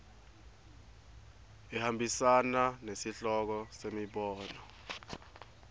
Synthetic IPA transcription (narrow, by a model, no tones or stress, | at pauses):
ɛhambʱisananesiɬɔk̬ɔsemiɓɔːnɔ